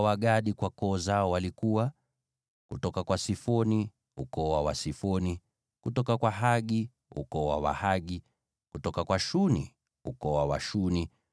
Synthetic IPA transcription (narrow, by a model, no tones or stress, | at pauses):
waɠaɗikwakɔːzaɔwalikuwa | kutɔkakwasifɔni | ṵkɔwawasifɔni | kutɔkakwaɦaɠi | ṵkɔwa̰wa̰haɠi | kutɔkakwaʃunḭ | ukɔwawa̰ʃuni